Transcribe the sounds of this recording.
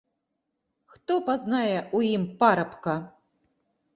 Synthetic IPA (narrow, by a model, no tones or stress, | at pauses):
xt̪ɔpaznajɛʔujimpaɾɐpkɐ